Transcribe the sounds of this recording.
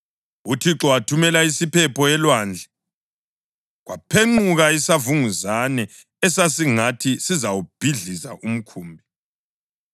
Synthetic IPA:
utʰiǁɔwatʰumɛlaisipʰɛpʰɔɛlwaːnd͡ɮʱɛ | ɣwa̰pʰeŋ͡ǃuɣaisavuŋuzanɛ | ɛsas̬iŋatʰisizawub̥ʱiɮiza̰ʔum̩kʰuːmbʱi

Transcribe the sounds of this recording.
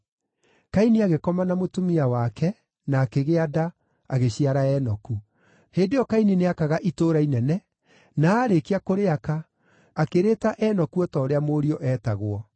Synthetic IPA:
kaineaɣekɔmanamotumiawakɛ | naːkeɣeada | aɣeɕiaɾaɛnɔku | heːndejɔkaineneakaɣaʔitoːɾainɛnɛ | naːɾekeakoɾeakaː | keɾetaʔɛnɔkuɔtɔːɾeamoɾiɔʔɛːtaɣwɔ

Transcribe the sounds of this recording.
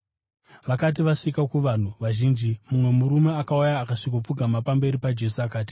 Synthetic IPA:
ʋakat̬iʋaʂikakuʋan̤uʋaʒiːnd͡ʒimumwe̞muɾume̞akaujaːkaʂikup͡fuɡʱamapambe̞ɾipad͡ʒe̞suakaːti̥

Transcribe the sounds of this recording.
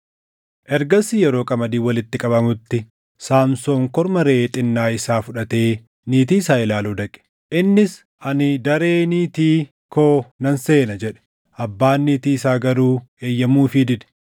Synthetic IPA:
ʔɛɾɡɐsɪjɛɾo̞ːkʼɐmɐd̪iːwɐlɪt̪ːɪkʼɐbɐmʊt̪ːɪ | saːmso̞ːŋkɔɾmɐɾeːt̪ʼɪnːaːɪsaːfʊᶑɐt̪e̞ː | niːt̪iːsaːɪlaːluːd̪ɐkʼɛ̥ | ʔɪnːɪs | ʔɐnɪd̪ɐɾeːniːt̪iː | kʰoːnɐnse̞ːnɐd͡ʒɛᶑɛ̥ | ʔɐbːaːnːiːt̪iːɪsaːɡɐɾuːe̞ːjːɐmuːfɪd̪ɪd̪ɛ̥

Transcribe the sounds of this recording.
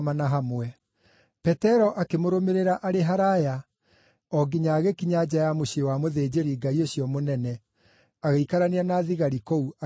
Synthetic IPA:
manaɦamwɛ | pɛtɛɾɔʔakemoɾomeɾeɾaʔaɾeɦaɾaja | ɔɡiɲaɣekiɲad͡ʑajamoɕewamoðeːd͡ʑeɾiɡaioɕjɔmonɛnɛ | aɣeikaɾaneanaðiɣaɾikoua

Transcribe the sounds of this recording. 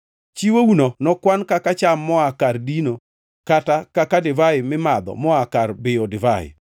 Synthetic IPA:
t͡ʃiwounonɔkwankakat͡ʃamːɔakardino | katakakadɪvaɪmɪmad̪ɔ̰mɔakarbɪɔdɪvaɪ̰

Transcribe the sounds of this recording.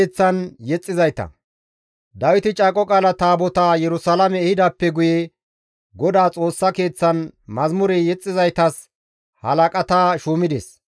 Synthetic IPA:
t͡sːɐnjɛt͡sʼːɪzɐjt̪ɐ̰ | d̪ɐwɪt̪ɪt͡ʃʼaːkʼɔkʼaːlɐt̪aːbɔt̪ajɛɾʊsɐlɐmɛːhɪd̪aːpːɛɡʊjɛ | ɡɔd̪aːt͡sʼo̞ːsːɐke̞ːt͡sːɐnmɐzmʊɾɛjɛt͡sʼːɪzɐjt̪ɐs | hɐlɐkʼɐt̪aːʃuːmɪd̪ɛ̰s

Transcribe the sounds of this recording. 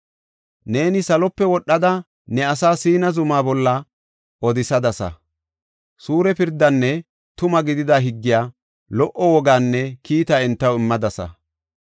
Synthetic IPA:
ne̞ːnɪsɐlɔpːɛwɔɗːɐd̪ɐ | nɛɐsaːsiːnɐzʊmaːbɔlːɐ | ɔd̪ɪsɐd̪ɐsɐ̰ | suːɾɛpɪɾd̪ːɐnːɛ | t̪ʊmɐɡɪd̪ɪd̪aɦɪɡːɪjaː | lɔʔɔwɔɡaːnːɛkiːt̪aɛnt̪ːɐwɪmːɐd̪ɐsɐ̰

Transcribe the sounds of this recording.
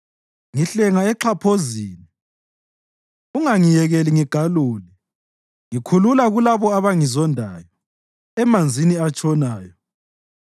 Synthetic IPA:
ŋiɬɛŋaɛǁʰapʰoziːni | uŋaŋijɛɣɛliŋiɡ̥ʱaluːli | ŋikʰululaɣulaβɔaβaŋizɔndʱaːjɔ | ɛmand͡zʱiniat͡ʃʼɔnaːjɔ

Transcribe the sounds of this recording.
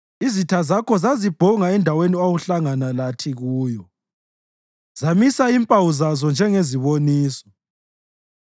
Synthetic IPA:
izitʰazakʰɔzazib̥ʱɔŋaɛndʱaweniawuɬaŋanalatʰiɣuːjɔ | z̥amisaimpʼawuzazɔnd͡ʒʱɛŋeziβoniːsɔ̥

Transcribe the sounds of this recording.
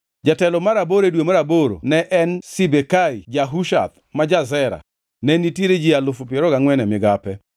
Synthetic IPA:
d͡ʒatɛlɔmaɾaboɾedwomaɾaboɾo̰nɛʔɛnsibekaid͡ʒaɦuʃa̰t̪ | mad͡ʒazɛɾa̰ | nɛniteɾed͡ʒialʊfopɪeɾɔɡaŋwɛnɛmɪɡapɛ

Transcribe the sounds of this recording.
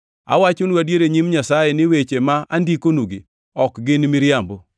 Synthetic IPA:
a̰wat͡ʃʊnwadjeɾeɲimɲasajɛnɪwet͡ʃemaʔandikonuɡḭ | ɔkɡɪnmɪɾjambo

